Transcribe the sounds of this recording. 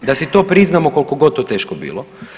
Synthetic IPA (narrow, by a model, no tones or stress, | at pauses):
d̪asit̪oːpɾiznamoko̞lkoɡod̪t̪oːt̪eːʃkobḭːlo